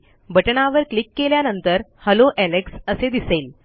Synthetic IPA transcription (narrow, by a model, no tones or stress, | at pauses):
bəʈɳaʋəɾklikːeljanənt̪əɾhəloʔæleksəsed̪isel